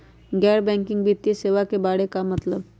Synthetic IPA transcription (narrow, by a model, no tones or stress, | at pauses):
ɡɛːɾbɛ̃ːŋkɪ̃ŋɡbit̪ːjəseːʋakebaːɽekamɐt̪ləb